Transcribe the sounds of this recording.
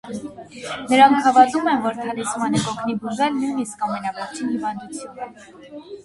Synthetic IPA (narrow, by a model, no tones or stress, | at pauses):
nəɾɑŋkʰhɑvɑt̪umɛnvɔɾt̪ʰɑlisʰmɑnəkɔkʰnibuʒɛlnujniskɑmɛnɑvɔɾt͡ʃʰinhivɑnd̪ut͡sʰjunə